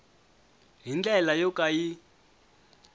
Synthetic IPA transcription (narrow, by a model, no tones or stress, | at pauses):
ɦind͡ɮɛlajɔkaji